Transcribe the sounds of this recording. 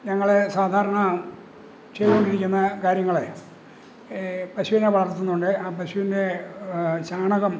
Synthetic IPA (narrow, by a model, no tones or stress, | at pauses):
ɲɐŋːɐɭesaːd̪ʱaːɾɐɳɐaːɳɨ | t͡ɕej̪ukoɳɖiɾikʲːunːɐkaːɾjɐŋːɐɭe | pɐɕuʋineʋɐɭɐrt̪ːunːuɳɖɨaːpɐɕuʋinde̞ | ɕaːɳɐɣɐm